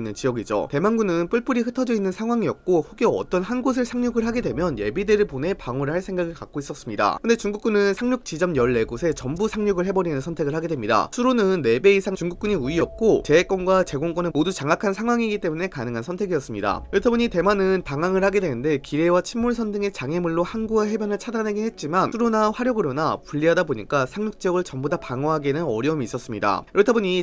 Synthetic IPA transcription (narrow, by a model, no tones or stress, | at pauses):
nːɯnt͡ɕijʌɡid͡ʑo̰te̞manɡunɯnp͈uɭp͈ɯɾiɸɯtʰʌd͡ʑʌinːɯnsʰaŋɦwaŋiʌk̚k͈oɸuɡjoʌ̰t͈ʌnhanɡosʰɯɭsʰaŋɲuɡɯɭhaɡe̞dwe̞mjʌnje̞bide̞ɾɯɭpone̞paŋoɾɯɭhaɭs͈ʰe̞ŋɡaɡɯɭkak͈ois͈ʌs͈ɯmɲida̰kɯnde̞t͡ɕuŋɡuk͈unɯnsʰaŋɲuk̚t͡ɕ͈id͡ʑʌmjʌɭːe̞ɡosʰe̞t͡ɕʌmbusʰaŋɲuɡɯɭɦe̞bʌɾinɯnsʰʌntʰe̞ɡɯɭhaɡe̞dwe̞mɲida̰sʰuɾonɯnːe̞be̞isʰaŋt͡ɕuŋɡuk̚k͈uɲiuiʌk̚k͈ot͡ɕe̞ek͈wʌnɡwat͡ɕe̞ɡoŋk͈ʌnɯmodut͡ɕaŋakʰansʰaŋɦwaŋiɡit͈e̞mune̞kanɯŋɦansʰʌntʰe̞ɡijʌs͈ɯmɲida̰joɭtʰʌboɲite̞manɯnpaŋaŋɯɭhaɡe̞dwe̞nɯnde̞kiɾe̞wat͡ɕʰimːuɭsʰʌndɯŋe̞t͡ɕaŋe̞muɭːohanɡuaɦe̞bjʌnɯɭt͡ɕʰadanɦeɡihe̞t̚t͡ɕ͈imanuɾonaɸwaɾjʌɡɯɾonapuʎːiɦadaboɲik͈asʰaŋɲuk̚t͡ɕʌɡɯɭt͡ɕʌmbodapaŋʌɦaɡenɯnʌ̰ɾjʌumiːs͈ʌs͈ɯmɲida̰ɾɯtʰʌboɲi